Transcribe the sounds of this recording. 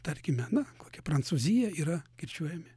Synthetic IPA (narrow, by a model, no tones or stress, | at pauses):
t̪ɐɾʲkʲɪmʲɛnɐkoːkʲɛpɾɐnt̪suːzʲɪjɛiːɾɐkʲɪɾʲt͡ʃʲuɔjɛmʲɪ